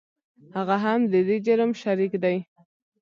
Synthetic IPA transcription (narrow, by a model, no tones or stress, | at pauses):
haɣaɦamd̪əd̪ed͡ʒaɾmʃaɾikd̪aj